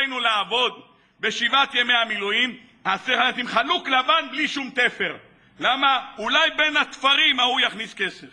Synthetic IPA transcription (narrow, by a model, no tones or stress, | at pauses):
jnulaːvo̞d̪ | be̞ʃivat̪jeme̞jamilujim | hasiχaat̪imχaluklavanbliʃumt̪efe̞ʁ | lamaulajbe̞nhat̪faʁimaujaχniske̞sef